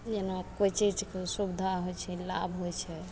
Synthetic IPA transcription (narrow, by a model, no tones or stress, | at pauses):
d͡ʒenakojt͡ʃid͡ʒkesubd̪ʱaɦojt͡ʃʰɛlabʱɦojt͡ʃʰɛ